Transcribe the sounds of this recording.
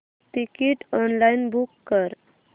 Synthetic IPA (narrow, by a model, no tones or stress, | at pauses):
ʈikiʈɔnlainbukːəɾ